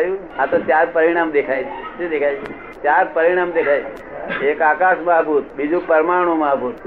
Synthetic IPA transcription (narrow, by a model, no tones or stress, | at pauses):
ju | at̪ot͡ʃaːɾpəɾɪɽ̃aːmd̪ekʰaːit͡ʃʰit͡ʃid̪eːkʰaːjt͡ʃʰ | t͡ʃaːɾpɐɾɪɽ̃aːmd̪eːkʰaːj | eːkaːkaːʃmaɦpuːt̪̚bid͡ʒuk̚pɐɾmaːɽ̃ũmaɦpuːt̪